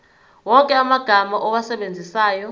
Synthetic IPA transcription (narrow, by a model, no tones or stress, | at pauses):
wɔkʼɛamaɡ̥ʱamaʔɔwasɛɓend͡zʱisaːjɔ